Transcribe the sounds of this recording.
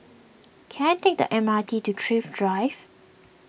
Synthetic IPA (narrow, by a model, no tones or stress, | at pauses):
kʰɛ̃ntek̚də̰ʔɛ̃matʰitutʰɹifdɹaɪv